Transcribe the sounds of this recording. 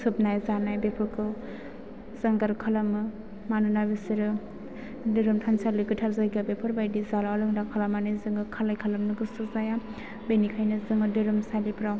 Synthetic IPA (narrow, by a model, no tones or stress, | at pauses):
sɯp̚najzanajbepʰɯɾkʰɯw | zaŋɡaɾkʰalamɯ | manɯnabesiɾɯ | dɯɾɯmtʰansalɯɡɯtʰaɾzajɡabepʰɯɾbajdizalalɯŋdakʰalamanɯjzɯŋɯkʰalajkʰalamnɯɡɯsɯzaja | benikʰajnɯzɯŋɯdɯɾɯmsalipɾaw